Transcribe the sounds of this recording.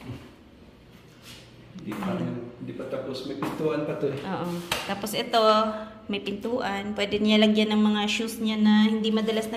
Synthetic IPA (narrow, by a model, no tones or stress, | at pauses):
hɪnd̪ipahɪnd̪ipɐt̪aːposmɐjpɪnt̪uːʔɐnpɐt̪oʔoːʔot̪aːposɛt̪o̞mɐjpɪnt̪uːʔanpwɛːd̪ɛɲalɐɡjanɐŋmɐŋaʃusɲanɐhɪnd̪imɐd̪ɐlasnɐ